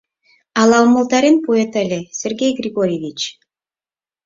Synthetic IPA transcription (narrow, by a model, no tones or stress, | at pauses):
ɑlˠɑwməlˠt̪ɑɾʲenpoet̪alʲesʲerɡʲejɡrʲiɡoɾʲjevʲit͡ɕ